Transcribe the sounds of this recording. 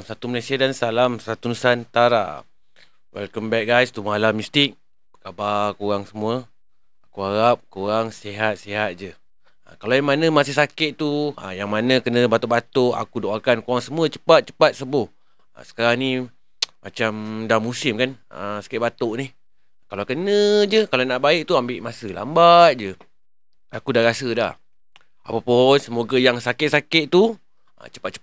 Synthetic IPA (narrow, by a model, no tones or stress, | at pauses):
sat̪uməlajsiadansalamsat̪unusant̪aɾa̰ | wɛ̰lkəmbɛk̚ɡajst̪umalamist̪ɪk̚ | kabakuɾaŋsəmuə | akuaɣap̚koɾaŋsiɦat̪̚siɦat̪̚d͡ʒə | kalaamanə̃masɪhsakɪt̪t̪uə̰jaŋmanə̃kənəbat̪oʔbat̪oʔa̰kudoʔakankuɣaŋsəmuət͡ʃə̥pat̪̚t͡ʃə̥pat̪̚səbʊh | ə̰sə̥kaɾaŋni | mat͡ʃamdamusɪmkanəsḁkɪt̪̚bat̪oʔnih | kalakənə̃d͡ʒəkalanaʔbaɪk̚t̪uambɪʔmasəla̰mbat̪̚d͡ʒə | akudaɾasəda̰h | a̰papʊnsəmoɡajaŋsakɪt̪̚sakɪt̪̚t̪u | ə̰t͡ʃə̥pat̪̚t͡ʃə